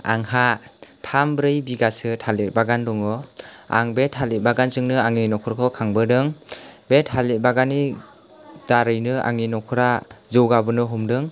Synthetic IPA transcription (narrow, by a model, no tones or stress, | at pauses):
a̰ŋɦatʰambɾɯjbiɡasɯtʰalet̚baɡandɔŋɯa̰ŋbethalit̚baɡanzɯŋnɯaŋinɔkʰɔɾkʰɯkʰaŋbɯdɯŋbet̚alit̚baɡani | d̥aɾɯjnɯa̰ŋinɔkʰɯɾazɯwɡabɯnɯɦumdɯŋ